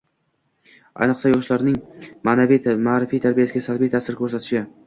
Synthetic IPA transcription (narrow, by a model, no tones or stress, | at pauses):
a̰jnɨqsajɒʃlaɾnɪŋmanavimaɾɪfijt̪ʰaɾbijasɪɡʲasalbijt̪ʰasɪɾkʲʰɵɾsat̪ʰɪ̥ʃɪ